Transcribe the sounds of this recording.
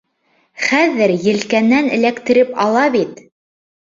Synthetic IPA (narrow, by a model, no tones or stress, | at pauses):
χæðɘɾjɘ̆lkænːænɘ̰̆lækt̪ɘ̆ɾɘpɑlˠɑβit̪